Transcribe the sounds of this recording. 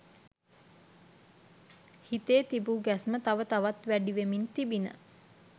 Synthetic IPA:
hit̪eːt̪ibuɡæsmət̪aʋət̪aʋat̪ʋæɖiʋemint̪ibinə̰

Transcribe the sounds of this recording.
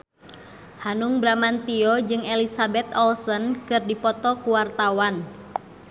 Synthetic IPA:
hanuŋbɾamant̪iɔd͡ʒɨŋelisabɛt̪ɔlsənkɨrdipɔt̪ɔkuwart̪awan

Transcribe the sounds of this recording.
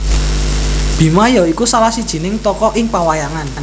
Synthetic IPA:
b̥i̤majɔikusalahsid̥ʒ̥i̤nɪŋt̪ɔkɔʔɪŋpawajaŋan

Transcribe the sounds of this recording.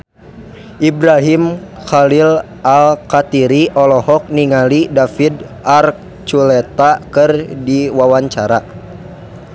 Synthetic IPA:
ʔibɾaɦimxalil | ʔalkat̪iɾiʔɔlɔhɔk̚niŋalidafid | ʔark̚ | t͡ʃulɛt̪akɨrdiwawaɲt͡ʃaɾa

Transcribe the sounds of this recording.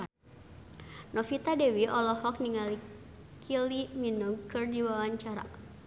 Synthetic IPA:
nɔfit̪adɛwiʔɔlɔhɔk̚niŋali | kʰiliminuɡkɨrdiwawaɲt͡ʃaɾa̰

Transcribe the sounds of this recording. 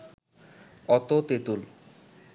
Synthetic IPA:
ɔt̪ot̪et̪ul

